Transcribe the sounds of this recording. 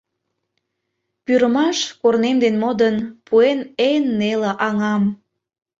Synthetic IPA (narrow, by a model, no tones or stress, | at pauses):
pyɾəmɑʃkornemd̪enmod̪ənpuenenːeləʔɑŋɑm